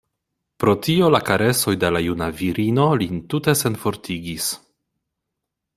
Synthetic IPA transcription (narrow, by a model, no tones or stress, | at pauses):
pɾo̞tio̞lakaɾe̞so̞jde̞lajunaviɾʔino̞lintute̞se̞nfo̞ɾtʰiɡis